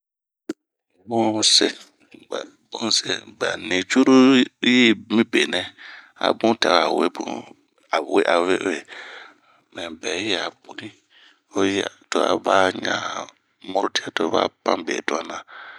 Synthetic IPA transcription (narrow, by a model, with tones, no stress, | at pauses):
bu˦se˦ | b | bũ˦se˨ba̰˨ni˨t͡ʃu˦ɾu˦ji˦mĩ˦be˨nɛ˦ | a̰˨bũ˦ta˨ɾa˨we˦bṵ˦ | a˨we˦ʔa˨we˦we˨ | mɛ̃˨bɛ˨˦jɛ˦a˨bu˨nĩ˦ | o˦jto˦a̰˨ba˦ɲã˦ | mo˦ɾu˦ti˦a˦˨to˦ba̰˦pã˦bḛ˨tu˦a˦nã˨